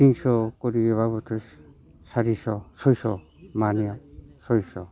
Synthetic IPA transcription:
tiŋsɔkɔɾieβabɔtʰɔs | saɾisɔsɔjsɔ | maniasɔjsɔ

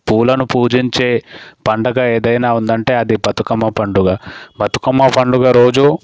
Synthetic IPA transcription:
puːlɐnupuːd͡ʒiɲt͡ʃe̞ːpɐɳɖɐɡɐe̞ːd̪ɐjnaːund̪ɐɳʈe̞ːɐd̪ibɐt̪ukɐmːɐpɐɳɖuɡaːbɐt̪u̥kɐmːɐpʰɐɳɖuɡaɾo̞ːd͡ʒu

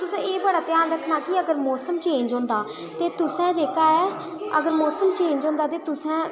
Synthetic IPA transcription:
t̪ʊsɛ̃ːeːbəɽaːt̪jaːnɾəkʰnaːkɪəɡəɾmɔːsəmt͡ʃẽːɲd͡ʒõːnd̪aː | t̪eːt̪ʊsɛ̃ːd͡ʒeːkaːɛː | ə̰ɡəɾmɔːsəmt͡ʃẽːɲd͡ʒõːnd̪aːt̪eːt̪ʊsɛ̃ː

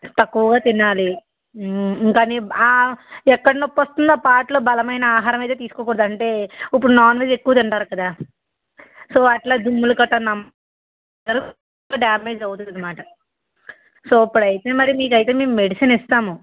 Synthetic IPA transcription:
t̪ɐkːuʋɐɡaːt̪inaːli | iŋkaːniaːɛkːɐɽɐnupːʋɐst̪und̪aːpaːʈlo̞ːbɐlɐmɐjnɐaːɦaːɾɐmɐjt̪et̪iːsu̥kɔːkuːɽd̪aɐɳʈe̞ːipːuɽunaːnʋeːd͡ʒe̞kːuʋɐd̪ɐɳʈaːɾukɐd̪aː | soːɐʈlaːd̪umːulukɐʈːɐnɐm | ɐɾu | aɖjaːmeːd͡ʒɐwt̪und̪ɐd̪imaːʈɐ | soːɐpːuɽɐjit̪eːmɐɾimiːk̬ɐjt̪e̞ːme̞ːmume̞ɽisɐnist̪aːmu

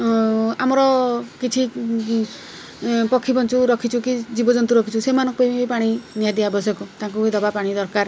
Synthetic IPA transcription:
amɔɾɔkit͡ʃʰi | pɔkʰːipɔnt͡ʃuɾɔkʰit͡ʃʰukid͡ʒibɔd͡ʒɔnt̪uɾɔkʰit͡ʃʰusemanɔ̃ŋkupajpaɽ̃inijad̪iabɔs̬jɔkɔt̪ãŋk̬ued̪ɔbapaɽ̃id̪ɔɾkaɾ

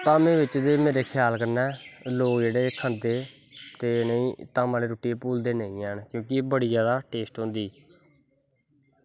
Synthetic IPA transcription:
t̪aːmẽːʋɪt͡ʃd̪eːmeːɾeːkʰɪjaːlkəɾnɛːloːkd͡ʒeːɽeːkʰə̃nd̪eː | t̪eːnəĩːt̪aːmaːleːɾoːʈiːepuːld̪eːnəĩːɛːɳkjõːkɪbəɽiːzjaːd̪aːʈeːsʈɦõnd̪iː

